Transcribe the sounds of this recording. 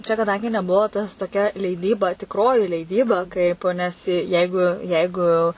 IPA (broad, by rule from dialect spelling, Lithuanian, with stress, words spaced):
t͡ʃʲɛ kɐˈdɐŋʲɡʲɪ nʲɛˈbuɔ ˈtɐs toːˈkʲɛ lʲɛɪˈdʲiːbɐ tʲɪkˈroːjɪ lʲɛɪˈdʲiːbɐ ˈkɐɪp nʲɛs ˈjɛɪɡʊ ˈjɛɪɡʊ